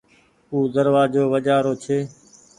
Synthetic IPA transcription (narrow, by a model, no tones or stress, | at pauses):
uːd̪əɾʋaːd͡ʒoːʋəd͡ʒaːɾoːt͡ʃʰeː